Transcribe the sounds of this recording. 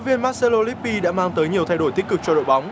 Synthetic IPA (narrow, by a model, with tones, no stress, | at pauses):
vi˧ənmaː˦˥t̚se˧lo˧li˦˥p̚ːi˧ɗa̰ː˧˥maː˧ŋt̪əː˨˦jɲi˨˩əwt̪ʰa˧jɗo˧˩jt̪i˦˥k̚kɨ˨˩k̚t͡ɕɔ˧ɗo̰˧˨jɓa˨˦wŋ͡m